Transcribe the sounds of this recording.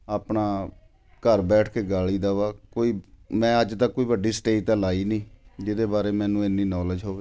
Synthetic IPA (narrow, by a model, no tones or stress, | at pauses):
aːpɳaː | kəɾbɛːʈʰkeːɡaːliːd̪aːʋaːkoːiːmɛ̃ːəd͡ʒt̪akːoːiːʋəɖiːsʈeːt̪ãːlaːiːnĩːd͡ʒɪd̪eːbaːɾeːmɛ̃ːnũːenːiːnɔːld͡ʒɦoːʋeː